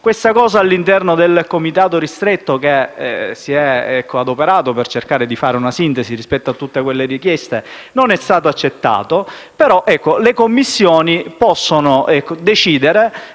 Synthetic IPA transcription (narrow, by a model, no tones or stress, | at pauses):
kwest̪akɔːzaːlːint̪ɛrnod̪elkomit̪aːt̪oɾist̪ɾet̪ːok̟esiɛɛkʰːoad̪opeɾaːt̪opert͡ʃerkaːɾed̪ifaːɾeunasint̪esirispɛt̪ːoat̪ːut̪ːekwelːerikjɛst̪e | nonɛst̪aːt̪oat͡ʃːet̪ːa̰ːt̪o | peɾɔʔɛkːolekomːisːjɔːnipɔsːonoɛkːod̪et͡ʃiːd̪eɾe